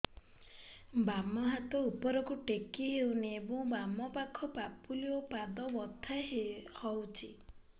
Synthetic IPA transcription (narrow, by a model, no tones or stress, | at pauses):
bamɔɦat̪ɔupɔɾɔkuʈekiɦewneːbɔ̃ŋbamɔpakʰɔpapuliopad̪ɔbɔt̪ʰːaɦhɔwt͡ʃʰi